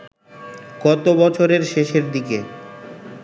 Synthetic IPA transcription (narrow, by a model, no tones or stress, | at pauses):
ɡɔt̪obɔt͡ɕʰoɾeɾʃeʃeɾd̪ike